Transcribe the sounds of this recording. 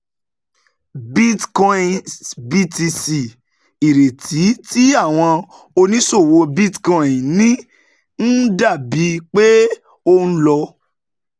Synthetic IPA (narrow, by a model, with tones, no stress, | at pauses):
bi˦tkɔ̃˧ĩ˨bi˦ti˧si˨ | i˨ɾe˨tʰi˨˦ti˦a˦˨w̃ɔ̃˧ | o˧nĩ˦so˦˨wo˧bi˦tkɔ̃˨ĩ˨nĩ˦ | n̩˦da˦˨bi˨˦k͡pe˦ | o˧ñ̩˦lɔ˧